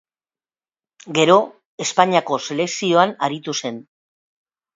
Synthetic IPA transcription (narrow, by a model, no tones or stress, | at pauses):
ɡe̞ɾo̞ | e̞spaɲiako̞se̞le̞ksio̞anaɾit̪use̞n